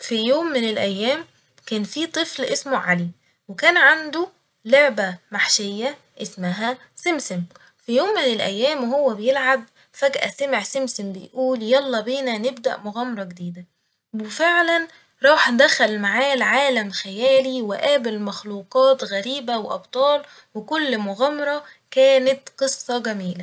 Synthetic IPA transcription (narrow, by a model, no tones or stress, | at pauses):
fijoːmːɪnelʔæjːæːm | kæːnfiːt̪ˤɨflʔesmoʕali | wekæːnʕand̪u | loʕbæmaħʃejːæ | ʔesmæɦæ | semsem | fijoːmːenelʔæ̰jːæːmhowːæbejelʕab̚ | fæɡʔæ̰sæmeʕsɪmsɪmbejʔuːljɑlˤːɑbeːnænebd̪æ̰ʔmoɣæmɑɾˤɑɡed̪iːd̪æ | wefeʕlæn | ɾˤɑːħd̪æxælmaʕaːlʕaːlæmxæjæːliweʔæːbelmæxluːqɑːt̪ɣæɾiːbæweʔɑ̰bt̪ˤɑːl | wekʊlːmoɣæmɑɾˤɑ | kæːnæt̪qɨsˤːɑɡæmiːlæ